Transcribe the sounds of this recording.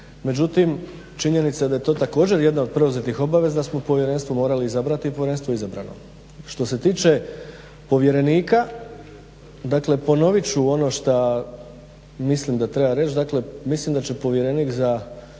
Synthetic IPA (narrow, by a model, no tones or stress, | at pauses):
me̞d͡ʑut̪im | t͡ʃiɲe̞nit̪sad̪aje̞t̪o̞t̪ako̞ːd͡ʑe̞ɾje̞d̪naod̪̚pɾe̞uzet̪ixo̞baʋe̞zad̪asmopo̞ʋje̞ɾe̞nst̪ʋo̞mo̞ːɾaliizabɾat̪ipoʋjee̞nst̪oizabɾa̰no̞̰ | ʃt̪o̞se̞t̪iːt͡ʃe̞ | po̞ʋje̞ɾe̞niːka | d̪akle̞po̞no̞ʋit͡ɕuo̞no̞ʃt̪a | mislimd̪at̪ɾe̞baɾe̞t͡ʃd̪akle̞mislimd̪at͡ɕe̞po̞ʋje̞ɾe̞niːkza